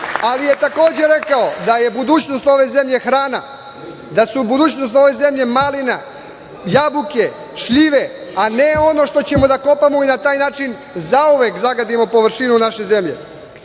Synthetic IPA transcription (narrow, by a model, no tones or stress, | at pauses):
alije̞t̪ako̞ːd͡ʑe̞ɾe̞kaod̪aje̞bud̪uːt͡ɕnost̪o̞ʋe̞ze̞mʎe̞xɾaːna | d̪asubud̪uːt͡ɕno̞st̪o̞ʋe̞ze̞mʎe̞malina̰ | jabuke̞ | ʃʎiʋe̞ane̞o̞no̞ʃt̪o̞t͡ɕe̞mo̞d̪ako̞pamoinat̪aːjnaːt͡ʃin | zauʋekzaɡad̪imo̞po̞ʋrɾʃinunaʃe̞ze̞mʎe̞̰